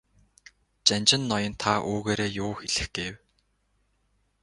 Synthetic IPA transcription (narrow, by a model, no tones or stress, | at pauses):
t͡ɕanʲt͡ɕɪ̆nːɔjɞ̆nt̪ʰaʔoːɣeːɾeːjʊːxeɮɘ̆xɡ̥ew